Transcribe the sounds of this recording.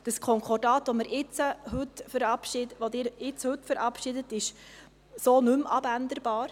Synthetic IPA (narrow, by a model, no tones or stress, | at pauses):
d̥əskʰɔŋkʰɔdɑːt̪ʋoməɾɪt͡səɦɵtfəɾɑpʃɪʋod̪ɪːɾɪt͡shɵtfəɾʔɑpʃɪd̪ət̪ɪʃ | soːnʉmʔɑbænd̪əɾb̥ɑːɾ